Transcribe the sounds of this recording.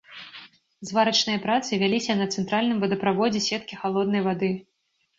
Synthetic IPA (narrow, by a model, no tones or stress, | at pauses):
zvaɾɐt͡ʂnɨjɐpɾat̪sɨvʲalʲisʲɐnɐt̪sɛnt̪ɾalʲnɨmvɐd̪ɐpɾavɔd͡zʲɛsʲɛt̪̚kʲixalˠɔd̪̚nɐjvad̪ɨ